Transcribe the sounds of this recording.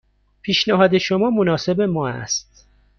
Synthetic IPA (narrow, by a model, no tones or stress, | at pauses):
pʰiːʃnæɦɒːd̪eʃomɒːmonɒːse̞be̞mɒːæ̰st̪̚